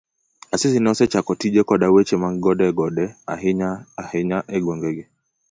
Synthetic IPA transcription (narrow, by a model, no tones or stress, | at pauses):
asɪsɪnɔsɛt͡ʃakɔtid͡ʒekɔdawet͡ʃemaŋɡɔdɛɡɔdɛaɦɲaahɛɲaʔɛɡwoŋɡeɡe